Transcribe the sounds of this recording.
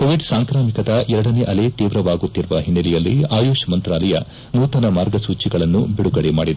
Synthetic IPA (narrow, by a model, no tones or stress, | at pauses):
koʋiɖsaːŋkɾaːmikɐd̪ɐʔɛɾɐɽɐneːʔɐle̞t̪iːʋɾɐʋaːɡut̪ːiɾuʋɐɦinːɐlijɐlːḭaːjoːʂɐmɐnt̪ɾaːlɐjɐ | nuːt̪ɐnɐmaːɾɡɐsuːt͡ʃiɡɐɭɐnːubiɽuɡɐɽemaːɽid̪e